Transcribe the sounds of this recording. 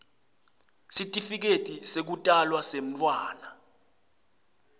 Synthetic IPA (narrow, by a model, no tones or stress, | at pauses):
sitʼifik̬etʼisek̬utʼalwasem̩t͡fʼwaːna